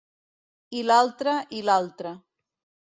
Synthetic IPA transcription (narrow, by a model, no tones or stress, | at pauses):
ilalˠt̪ɾəʔilalˠt̪ɾə